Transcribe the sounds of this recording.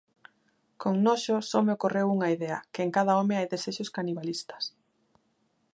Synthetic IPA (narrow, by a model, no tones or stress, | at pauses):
koŋnoʃʊsɔmeokorewuŋɐiðeɐ̰kɪeŋkaðɐomɪajðeseʃoskaniβalist̪ɐ̥s